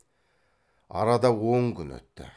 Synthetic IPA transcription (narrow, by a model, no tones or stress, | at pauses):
ɑ̰ɾɑd̪ɑwoŋkʲʰʏnwɵ̰t̪ːɪ̰